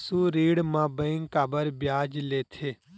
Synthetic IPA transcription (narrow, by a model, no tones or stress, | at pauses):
suːɾiːɽmãːbə̃ɪŋkaːbəɾbjaːd͡ʒleːt̪ʰeː